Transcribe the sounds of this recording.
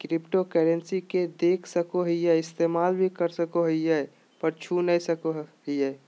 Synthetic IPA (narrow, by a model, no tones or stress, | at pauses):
kɾipʈokɛɾensiked̪ekʰsəkoɦəiɛɪst̪emaːlbʱikəɾsəkoɦəijɛ | pəɾt͡ʃʰunəisəkoɦɦəɛ